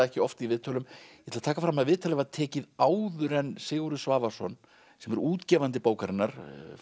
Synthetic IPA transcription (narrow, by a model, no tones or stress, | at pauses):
ɛhcɪɔft̪ivɪːt̪ʰɔlʏmjɛt̪lat̪ʰaːkafɾamːaðvɪːt̪ʰalɛvaðt̪ʰɛːcɪðaːwðʏɾɛnsɪːɣuɾʏsvaːvḁsɔ̰n | sɛmɛɾuːt̪cɛːvant̪ɪpoːwkaɾɪnːaɾ̥